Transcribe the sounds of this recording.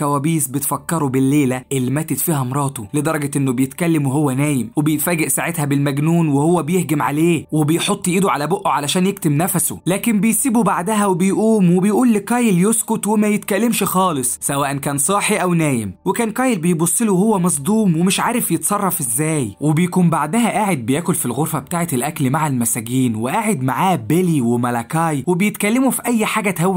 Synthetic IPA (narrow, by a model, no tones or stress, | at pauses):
kæwæːbiːsbet̪fɑkːɑɾˤubelːeːlæʔelːimæːt̪et̪fiːhæmɾˤɑːt̪ˤoled̪ɑɾˤɑɡɑʔenːobejet̪kælːæmweɦowːænæːjemwebejet̪fæːɡeʔsaʕet̪hæbelmæɡnuːnwehowːæbejehɡæmʕa̰leːwebejħot̪ˤːjʔiːd̪oʕalæboʔːoʕalæʃæːnjek̚t̪emnæfso̰læːkembejsiːbubaʕd̪æɦæwebejʔuːmwebejʔuːlːeqæːjeljoskot̪wemæjet̪kælːemʃxɑːlɨssˤsæwæːʔænkæːnsˤɑːħiʔæwnæːjḛmwekæːnqɑːjelbejbosˤːeluhowːæmɑsˤd̪ˤuːmwemɪʃʕaːɾefjet̪sˤɑrˤːɑfʔezːæːjwebejkuːmbaʕd̪æɦæʔaːʕed̪̚bejæːkolfilɣoɾfæbet̪aːʕet̪elʔæklmaʕalmæsæɡiːnweʔaːʕed̪maʕaːbeliwemælækɑːjwebejet̪kælːemufiʔæjːħaːɡæt̪hæwː